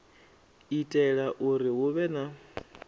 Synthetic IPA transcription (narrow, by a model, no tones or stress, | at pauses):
itʼɛɺaʔuɾiɦuβɛna